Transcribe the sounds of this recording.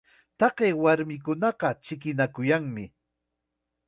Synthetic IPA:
t̪ɑɢeːwaɾmɪkʊnɑɢɑt͡ʃɪkɪnakʊjaŋmɪ

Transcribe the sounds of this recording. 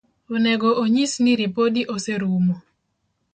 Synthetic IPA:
onɛɡɔʔoɲisniɾipodiʔoseɾumo

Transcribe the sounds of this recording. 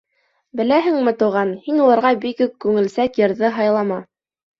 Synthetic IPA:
bɘ̆læɦɘ̆ŋmɘ̆t̪uʁɑnhinulˠɑ̆ɾʁɑbikɵk̚kːʉŋɘ̆lsækjɤ̆ɾðɘɦɑjlˠɑmɑ

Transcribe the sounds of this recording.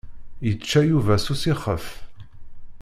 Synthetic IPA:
jət͡ʃːæjuvæsusiχə̰f

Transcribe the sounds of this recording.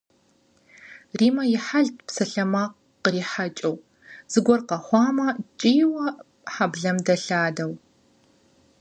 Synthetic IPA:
riːmɐjɪħaɮtʰʼpsɐɬɐmaːq | qəriːħat͡ʃʼɐw | z̥ɨɡʷɔrqɐχʷɑːmɐt͡ʃʼiːwɐ | ħabɮɐmdɐɬaːdɐw

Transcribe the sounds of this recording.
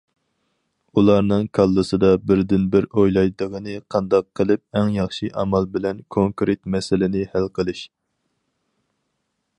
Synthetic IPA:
ulˠɑɾnɨŋkʰɑlˠːɨsɨd̪ɑbɪɾd̪ɪnbɪɾojlˠɑjd̪əʁənɨqʰɑnd̪ɑqʰːəlˠɪp̚ɛŋjɑχʃiʔɑmɑlbɪlɛnkʰoŋkɾet̪mɛsɪlɪnɪhælqʰəlˠɨʃ

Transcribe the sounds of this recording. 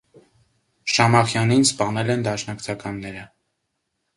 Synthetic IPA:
ʃɑmɑχjɑninspɑnɛlɛnd̪ɑʃnɑkt͡sʰɑkɑnːɛɾə

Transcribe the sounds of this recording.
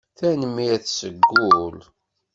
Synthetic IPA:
θænəmːiæθsəɡːʊl

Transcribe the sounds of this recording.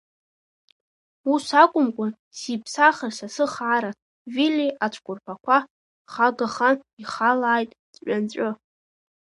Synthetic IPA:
wusakʷʼʊmkʷʼa | sipʰsaχərsasɨχaːɾa | viliʔat͡ʃʷʰkʷʼʊrpʰakʷʰa | χaɡaχaniχalaːjtʼdʼʷant͡ɕʷʼʊ

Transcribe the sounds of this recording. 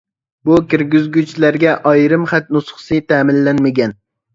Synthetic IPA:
bukʲɪɾɡʲɪzɡʲut͡ʃʰlæɾɡʲɛʔɑjɾɨmχæt̪̚nʊsχsɨt̪ʰæːmɪnlanmaɡʲɛn

